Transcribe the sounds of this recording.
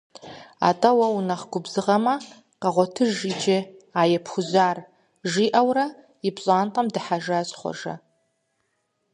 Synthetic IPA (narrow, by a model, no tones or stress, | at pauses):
a̰tʼɐwɐunɐχɡʷʊbzɨʁɐmɐ | qɑʁʷɔtʰɨʒid͡ʒeaːjɛpʰxʷʊzaːr | ʒiːʔawrɐ | ipɕʼaːnqʼɐmdɨħaʒaːɕχʷɔ̰ʐɐ̰